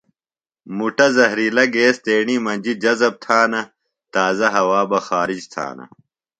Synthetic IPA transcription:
muʈɐzɐɦɾilɐɡeːst̪eːɳimɐnd͡ʑid͡ʑɐzɐb̚t̪ʰaːnɐ | t̪aːzɐɦɐwaːbɐxaːɾid͡ʑt̪ʰa̰ːnɐ̰

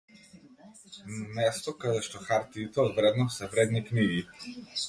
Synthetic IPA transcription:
namɛst̪ɔkad̪ɛʃt̪ɔxaɾt̪iːt̪ɛɔd̪vɾɛd̪nɔsɛvɾɛd̪nikniɡi

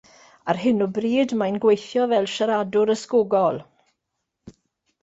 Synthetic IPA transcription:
arɦɪnɔbriːdmajnɡwejθjɔvɛlˠʃaɾadʊɾəskoɡɔlˠ

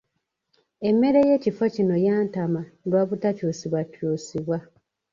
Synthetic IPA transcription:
e̞mːe̞ɾeje̞cifocino̞jaːntamalwaβutacusiβwatjuːsiβwa

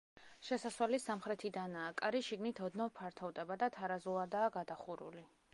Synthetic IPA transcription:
ʃɛsaswɛlisamχɾɛt̪ʰid̪anaːkʼaɾiʃiɡnit̪ʰɔd̪nɔpʰaɾt̪ʰɔvd̪ɛbad̪at̪ʰaɾazulˠad̪aːɡad̪aχuɾṵli

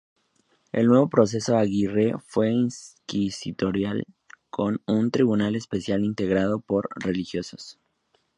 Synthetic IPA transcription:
e̞̰lnwe̞β̞opɾo̞s̬e̞so̞aɣire̞fwe̞inskisit̪o̞ɾjal | kʰo̞nunt̪ɾiβunale̞spe̞sjalint̪e̞ɣɾað̞o̞po̞ɾre̞lixjo̞so̥s

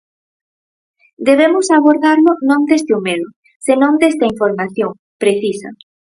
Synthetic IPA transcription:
d̪eβ̞emʊsaβoɾðaɾlʊnõŋd̪est̪ɪomeðʊ | senõŋd̪est̪ɐiɱfoɾmaθjoŋ | pɾeθisɐ̰

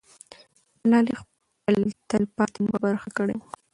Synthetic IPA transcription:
alɑlix | əlt̪alpɑt̪inmabaɾxakəɽḛ

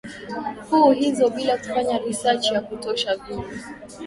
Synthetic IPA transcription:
kuhizɔɓilaku̥faɲaɾisat͡ʃijakutɔʃavimu

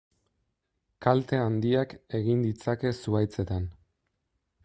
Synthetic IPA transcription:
kalt̪e̞and̪iake̞ɣind̪it͡sake̞suajt͡se̞t̪an

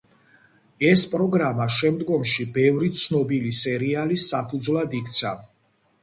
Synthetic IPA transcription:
ɛspʼɾɔɡɾamaʃɛmd̪ɡɔmʃibɛvɾit̪sʰnɔbilisɛɾialisapʰud̪zwlˠad̪ikʰt̪sʰa

